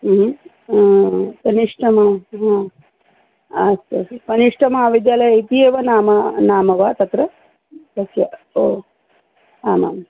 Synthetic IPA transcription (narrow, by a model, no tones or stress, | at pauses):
kɐniʂʈʰɐmaɦãː | ɐsɐskɐniʂʈʰɐmɐaaʋid̪jaːlɐjɐit̪ieːʋɐnaːmɐnaːmɐʋaːt̪ɐt̪ɾɐ | t̪ɐsja̰ | oː | aːma̰ːm